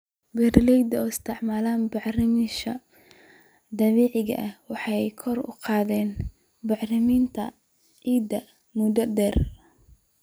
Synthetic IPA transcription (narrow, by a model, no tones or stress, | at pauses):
bɛrlɛjd̪ɐɔːɪst̪ʰɪʕmaːlaːnbɑʕrɪmɪʃɐ | d̪ɐβɛːʕɪɣɐ̰ʔɐhwɑħɑjkʰɔrʊ̰qɑːðɛːn | bɑħrɪmiːnt̪ʰɐ̰ | ʕiːd̪ɐ | mʊd̪ɐd̪ɛːr